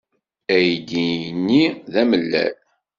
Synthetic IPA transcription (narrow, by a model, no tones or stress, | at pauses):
æjd̪inːiðæməlːæ̰l